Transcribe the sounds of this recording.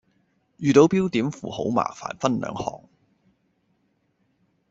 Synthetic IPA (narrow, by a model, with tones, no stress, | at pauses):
jyː˨t̪o˨˧˥wpiː˥wt̪iː˨˥mfṵː˨˩ho̰˨˥wma̰ː˨˩fa̰ː˨˩nfɐ˥nlœ̰ː˨˧ŋhɔ̰ː˨˩ŋ